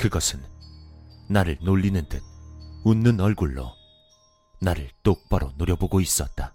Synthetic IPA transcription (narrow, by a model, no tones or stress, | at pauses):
kɯɡʌsʰɯn | naɾɯɭnoʎːinɯndɯk̚unːɯnʌɭɡuɭːo̰ | naɾɯɭt͈ok̚p͈aɾonoɾjʌboɡois͈ʌt̚t͈a